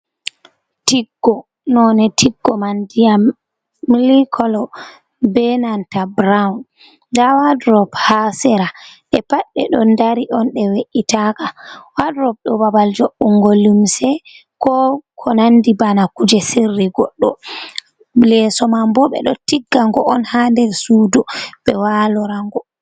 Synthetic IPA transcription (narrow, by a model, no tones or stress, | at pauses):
tiɡːɔ | nɔnɛtʰiɡːɔmandijamː | ilikʰɔlɔ | bɛnantabɾawun | dawadɾɔbhasɛɾaʔɛpaɗːɛ̰ɗɔndaɾiʔɔnɗɛweʔitakawadɾɔb̚ɗɔbabald͡ʒoɓːuŋɡolumsɛ | kɔkʰɔnandibanakud͡ʒɛsirːiɡɔɗːɔ | lɛsɔmambɔɓɛ̰ɗɔtiɡːaŋɡɔʔɔnhandɛlsuːdubɛwalɔɾaŋɡɔ